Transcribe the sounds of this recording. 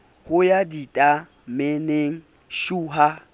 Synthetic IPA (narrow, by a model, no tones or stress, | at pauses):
hʊjaditʼa | meneŋ̩ | ʃuːɦa